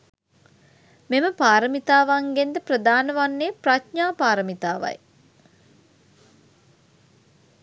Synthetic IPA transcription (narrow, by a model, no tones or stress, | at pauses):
meməpaːɾəmit̪aːʋaŋɡend̪əprəd̪aːnəʋanːepratɲaːpaːɾəmit̪aːʋa̰j